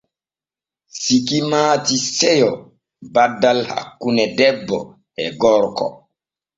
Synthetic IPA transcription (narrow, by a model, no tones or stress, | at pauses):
sikimaːtisɛjɔ | badːalha̰kːunɛdɛbːɔ̰ | ɛɡɔɾkɔ̰